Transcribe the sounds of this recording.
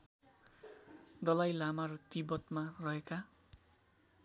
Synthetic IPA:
d̪ʌlajlamaɾʌt̪ibʌt̪marʌɦeka

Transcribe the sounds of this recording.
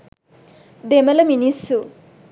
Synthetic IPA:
d̪emɐlɐminisu

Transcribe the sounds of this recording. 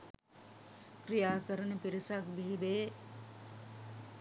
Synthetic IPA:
krijaːkəɾənəpiɾisak̚biɦibeː

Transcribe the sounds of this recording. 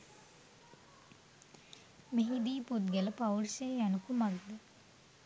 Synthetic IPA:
meɦid̪iːput̪̚ɡeləpawrseænukumaɡd̪ə

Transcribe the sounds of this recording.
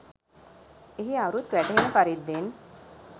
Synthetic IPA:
eɦiaɾut̪ʋæʈəɦenəfaɾid̪ːen

